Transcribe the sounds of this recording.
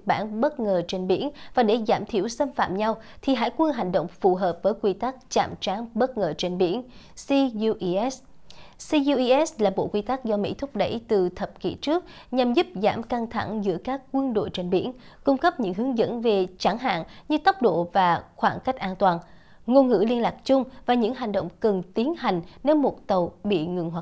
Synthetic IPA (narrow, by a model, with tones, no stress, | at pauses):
ɓaː˧˥nɓə˦˥t̚ŋəː˨˩t͡ɕe˧nɓḭ˧˥ənvaː˨˩ɗe˧˩zaː˧˩mt̪ʰḭ˧˩əwsə˧nfa̰ː˧˨mɲa˧w | t̪ʰi˨˩ɦa̰ː˧˥jkwə˧nɦa˨˩jŋ̟ɗə̰˧˨wŋ͡mfu˨˩ɦəː˨˩p̚vəː˨˦jkwi˧t̪a˦˥k̚t͡ɕa̰ː˧˨mt͡ɕaː˨˦ŋɓə˦˥t̚ŋəː˨˩t͡ɕe˧nɓḭ˧˥ən | si˧u˧ʔʔɛ˦˥ssi˧u˧ʔi˧ʔɛ˦˥slaː˨˩ɓo̰˧˨kwi˧t̪aː˦˥k̚zɔ˧mḭ˧˥t̪ʰʊ˦˥p̚ɗə̰˧˩jt̪ɨ˨˩t̪ʰə˨˩p̚kḭ˧˨t͡ɕɨ˦˥ək̚ | ɲa˨˩mzu˦˥p̚za̰ː˧˩mka˧ŋt̪ʰa̰˧˩ŋzɨ̰˧˥əkaː˦˥kːwi˧ənɗo̰˧˨jt͡ɕe˧nɓḭ˧˥ənkʊ˧ŋ͡mkə˦˥p̚ɲɨ̰˧˥ŋɦɨ˨˦əŋzə̰˧˥nve˨˩t͡ɕa˧˩ŋɦa̰ː˧˨nɲɨ˧t̪ə˦˥wk͡p̚ɗo̰˧˨vaː˨˩xwaː˧˩nka˦˥jk̟̚ʔaː˧nt̪waː˨˩n | ŋo˧nŋɨ̰˧˥li˧ənlaː˨˩k̚t͡ɕʊ˧ŋ͡mvaː˨˩ɲɨ̰˧˥ŋɦa˨˩jŋ̟ɗo̰˧˨wŋ͡mkə˨˩nt̪i˨˦ənha˨˩jŋ̟ne˧wmo˨˩t̚t̪ə˨˩wɓḭ˧˨ŋɨ˨˩ŋɦwa˨˩